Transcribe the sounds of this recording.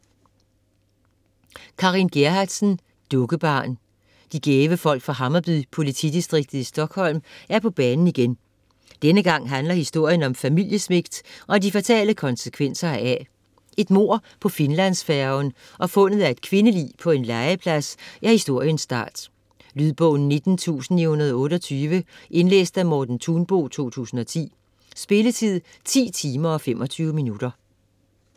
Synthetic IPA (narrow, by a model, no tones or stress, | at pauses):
kʰɑ̈ʁinɡ̥eɦɑd̥sn̩ | d̥ɔ̽ɡ̥əb̥ɑ̈ːn | d̥iɡ̥eːʋəfɒ̽l̰ɡ̥fʁɑ̈ɦɑ̈mɐb̥ypʰo̝lit͡sʰid̥isd̥ʁiɡ̥̚d̥ð̩ˠisd̥ɒ̽ɡ̥hɒ̽l̰mæɐpʰɒ̽b̥ɛːnn̩iɡ̥en | d̥enəɡ̥ɑ̈ŋ̰ɦænlɐhisd̥o̝ɐ̰jənɒ̽mfæmil̰jəsme̝ɡ̥d̥ʔɒ̽æd̥ifæt͡sʰɛ̰ːləkʰɒ̽nsəkʰʋen̰sɐæ | e̝d̥mo̝ɐ̰pʰɒ̽fe̝nlæn̰sfæɐʊn | ʔɒ̽fɔ̽nəð̩ˠæe̝d̥̚kʰʋe̝nəlḭːpʰɒ̽e̝nlɑ̈ɪəpʰlæsæhisd̥o̝ɐ̰jənsːd̥ɑ̈ːd̥ | lyð̞ˠb̥ɔːn̩ːe̝d̥n̩t͡sʰṵːsn̩ihunɐð̞ˠɔ̽ːɾɒt͡sʰyːʋəʔe̝nlḛːsd̥æmɔːd̥n̩t͡sʰuːnb̥o̝̰ːt͡sʰo̝̰ːt͡sʰṵːsn̩ɒ̽t͡sʰḭː | sb̥e̝lət͡sʰið̰ˠ | t͡sʰḭːt͡sʰiːmɐɒ̽fem̰ʔɒ̽t͡sʰyːʊəminud̥ɐ